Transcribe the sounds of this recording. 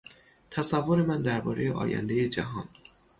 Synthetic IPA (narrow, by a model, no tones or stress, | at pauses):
t̪ʰæsævːo̞ɾe̞mænd̪æɾbɒ̰ːɾe̞jeʔɒ̰ːjæ̰nd̪ejed͡ʒæ̰ɦɒːn